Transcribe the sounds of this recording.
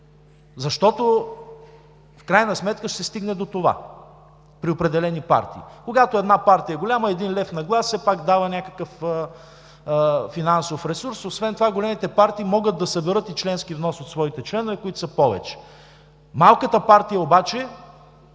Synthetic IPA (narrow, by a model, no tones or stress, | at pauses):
zɐʃt̪ɔt̪o | fkɾajnɐsmɛt̪kəʃt̪ɛst̪iɡnɛd̪ot̪ova̰ | pɾiopɾɛd̪ɛlɛnipa̰ɾt̪ḭːkoɡat̪oɛd̪napaɾt̪ijəɡolʲaməɛd̪inlɛfnɐɡlˠasːɛpakd̪avənʲakə̥kəfə | finansofɾɛsuɾsosvɛnt̪ovaɡolʲɛmit̪ɛpaɾt̪iːmɔɡət̪̚d̪ɐsɐbɛɾɤt̪it͡ʃlɛnskivnɔsot̪svɔit̪ɛt͡ʃlɛnovɛkoit̪ʊ̥səpɔvɛ̰t͡ʃɛ̥ | malˠkət̪əpaɾt̪ijəobat͡ʃɛ